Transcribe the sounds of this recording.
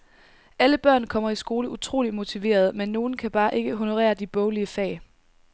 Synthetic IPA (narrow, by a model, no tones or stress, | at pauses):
ʔæləb̥ɶɐ̰nkʰɒ̽m̰ɐisɡ̥o̝ːləʔut͡sʰʁo̝̰ːlimo̝t͡sʰiʋe̝̰ːɐð̞̩ˠmenːo̝ːn̩kʰæb̥ɑ̈ːʔe̝ɡ̥əɦo̝no̝ʁɛ̰ːɐd̥ib̥ɔ̽ʊliəfɛ̰ː